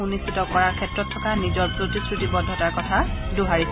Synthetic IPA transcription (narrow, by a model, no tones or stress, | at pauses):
unisitɔkɔɹaɹkʰɛtɹɔtʰːɔkanizɔɹpɹotisɹutibɔdʱːɔtaɹkɔtʰaduɦaɹis